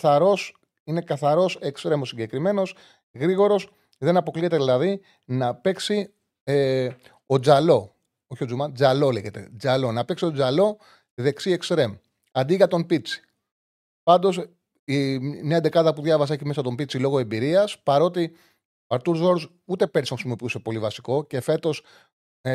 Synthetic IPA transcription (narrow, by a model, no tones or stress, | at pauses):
θɐɾo̞s | ine̞kɐθɐɾo̞sekst̪ɾe̞mosiɲɟe̞kɾime̞no̞s | ɣɾiɣo̞ɾo̞s | ðe̞nɐpo̞klie̞t̪eðilɐði | nɐpe̞ksi | e | o̞d͡zɐlo̞ | oçiod͡zumɐd͡zɐlo̞le̞ʝe̞t̪e̞̰d͡zɐlo̞nɐpeksio̞d͡zɐlo̞ | iðe̞ksie̞kst̪ɾe̞m | ɐnd̪iɣɐt̪o̞mpit͡si̥ | pɐnd̪o̞s | ineɐnd̪e̞kɐðɐpuðʝɐvɐs̬ɐeçimes̬ɐt̪o̞mbit͡silo̞ɣoembiɾiɐspɐɾo̞t̪̬i | oɐɾt̪uɾzo̞ɾz | ut̪e̞pɾstoxɾisimo̞piuse̞po̞livɐsi̥ko̞ce̞fe̞t̪o̞s